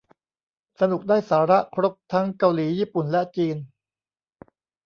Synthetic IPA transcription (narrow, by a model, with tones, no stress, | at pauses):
sa˧nu˨˩k̚daː˥˩jsaː˩˦ɾa˦˥ʔkʰɾo˦˥p̚t̪ʰa˦˥ŋka˧wliː˩˦jiː˥˩pu˨˩nlɛ˦˥ʔt͡ɕiː˧n